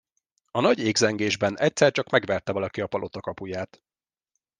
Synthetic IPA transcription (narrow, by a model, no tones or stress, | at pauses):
ɒnɒɟeːɡzɛŋɡeːʒbɛnɛc̚ʲsɛrt͡ʃɒkmɛɡʋɛrt̪ɛvɒlɒkiɒpɒlʔo̞t̪ɒkɒpujaːt̪